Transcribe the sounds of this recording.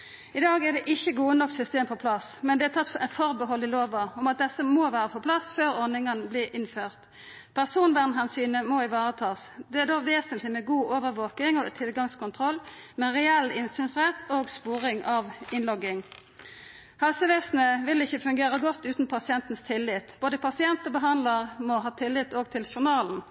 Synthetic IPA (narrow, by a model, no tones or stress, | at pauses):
ɪd̪ɑːɡæd̪ɛʔɪçːəɡuːənɔkːsʏst̪eːmpʰɔpʰlɑsmɛnd̪ɛæt̪ʰɑt̪ːɛfɔʁbəhɔlːɪloːʋɑɔmɑt̪̚d̪ɛsəmoːʋæːʁəpʰɔpʰlɑsføːʁɔʁnɪŋənbliːʔɪnføːʁt̪ | pʰæʁsuːnʋæʁnɦɑnsyːnəmɔɪʋɑːʁət̪ʰɑːsd̪ɛæʁd̪oːʋeːsənt̪lɪmɛɡuːʔoːʋəɾʋoːkɪŋɔt̪ʰɪlɡɑŋskʊnt̪ʰʁɔlː | mɛʁɛɛlːɪnsyːnsʁɛt̪ʰoːɡspuːʁɪŋʔɑʋɪnlɔɡːɪŋ | hɑlsəʋɛsnəʋɪlɪçːəfʉŋɡeːʁəɡɔt̪ːʉːt̪n̩pʰɑsɪɛnt̪n̩st̪ʰɪlːɪt̪b̥oːd̪əpʰɑsɪɛnt̪əbəɦɑnd̪ləʁmɔɦɑːt̪ʰɪlːɪt̪oːɡ̚t̪ʰɪlʃʊnɑːln̩